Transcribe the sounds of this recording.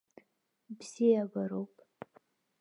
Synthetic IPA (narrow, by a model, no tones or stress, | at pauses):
bz̥ijabaɾowpʼ